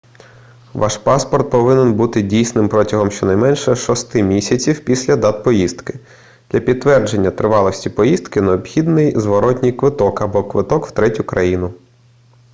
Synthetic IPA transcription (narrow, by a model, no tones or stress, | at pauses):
ʋʔɑʃpɑspɔrt̪̚pɔʋɪnɪnbut̪ɪdʲijsnɪmpɾɔtʲɐɦɔmʃt͡ʃɔnɐjmɛnʃɛʃɔst̪ɪmʲisʲɐt͡sʲiwpʲisʲlʲɐd̪ɑt̪̚pɔjiz̥d̪kɪ̥ | d̪̥lʲɐpʲid̪̚t̪ːʋɛrd͡ʒe̞nʲːɐt̪ɾɪʋɑlˠɔsʲtʲipɔjizt̪kɪneɔbxʲid̪nɪjzʋɔɾɔtʲnʲijkʋɪt̪ɔkɐbɔkʋɪt̪ɔkw̥t̪ɾɛtʲʊkɾɐjinʊ